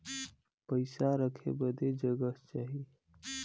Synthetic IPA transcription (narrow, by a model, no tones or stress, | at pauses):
pəɪsaɾəkʰḛbəd̪ed͡ʒəɡət͡ʃaːɦi